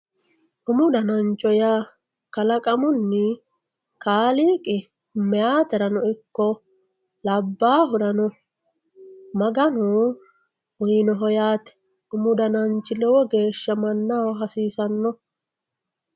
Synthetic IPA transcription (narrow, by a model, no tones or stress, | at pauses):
ʔʊmʊd̪ɐnɐnt͡ʃʼːɔja | kɐlɐkʼɐmʊnːɪ | kaːliːkʼɪ | mɛjaːt̪ɛɾɐnɔɪkːɔ | lɐbːaːɦʊdɐnɔ | mɐɡɐnʊ | wʊjnɔɦɔjaːt̪ɛ̥ | ʔʊmʊd̪ɐnɐnt͡ʃʼːɪlɔwɔɡe̞ːʃːɐmɐnːawɦɐsiːsɐnːɔ